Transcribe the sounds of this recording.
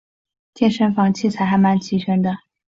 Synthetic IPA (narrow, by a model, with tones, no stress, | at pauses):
t͡ɕjɛ˥˩nʂə˧˥nfɑ˧˥ŋt͡ɕʰi˥˩t͡sʰa˧˥ɪxa˧˥ɪma˧˥nt͡ɕʰi˧˥ɕɛ˧˥nd̪ə˨